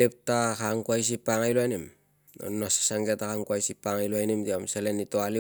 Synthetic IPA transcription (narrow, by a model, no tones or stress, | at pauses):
ep̚takaŋkuajs̬ipːaŋajloanim | o̰nːase̥saŋɡeatakaŋkuajsipːaŋajloajnimdiamselenitoali